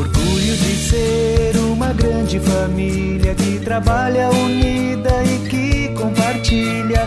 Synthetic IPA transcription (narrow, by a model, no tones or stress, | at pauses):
oɾɡuʎʊd͡ʒɪseɾũmɐɡɾɐ̃d͡ʒɪfami | liɐkɪt̪ɾabaʎɐuni | d̪ɐɪkɪkõpaɾt͡ʃi | ʎɐ